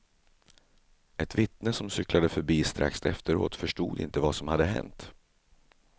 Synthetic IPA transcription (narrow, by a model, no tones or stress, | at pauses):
ɛt̪vɪt̪nəsɔmsʏklad̪əfœɾbiːst̪ɾʔa̰ksɛft̪əɾo̰ːt̪fœʂʈuːd̪ɪ̰nt̪əvasɔmhad̪ːəɦɛ̰nt̪